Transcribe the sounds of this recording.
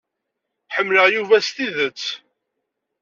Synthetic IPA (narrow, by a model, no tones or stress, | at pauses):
ħəmːləʁjuvæst̪iðət͡sː